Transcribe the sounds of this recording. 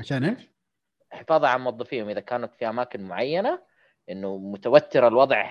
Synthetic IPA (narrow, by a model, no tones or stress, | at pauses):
ʕaʃaːnʔeːʃ | ħɪfɑːðˤɑʕanmʊwɑðˤːɑfiːhʊmʔɪðakaːnat̪fiʔamaːkɪnmʊʕajːana | ʔɪnːumʊt̪awat̪ːɪɾalwɑðˤʕ